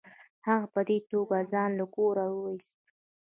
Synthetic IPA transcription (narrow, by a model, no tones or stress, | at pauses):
haɣapəd̪et̪oɡazɑnlaɡoɾawəwist̪̚